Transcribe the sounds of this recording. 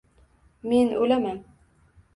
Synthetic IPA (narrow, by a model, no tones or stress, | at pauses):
menʔolaman